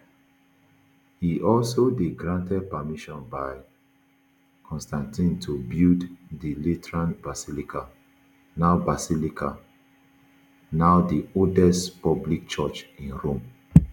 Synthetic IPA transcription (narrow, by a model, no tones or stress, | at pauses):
hiʔɔlsodeɡɹãntɛd̚pəmiʃɔ̃nbaɪ | kʰɔ̃nstãntĩntʰubilddilitɛɹãnbasilikʰa | naʊbasilikʰa | naʊdioldɛstpɔblik̚t͡ʃɔt͡ʃĩnɹõm